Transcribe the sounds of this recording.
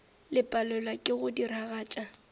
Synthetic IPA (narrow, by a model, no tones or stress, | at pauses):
lɪpʼalʊlakʼɪɣʊdiɾaɣaːt͡ʃʼa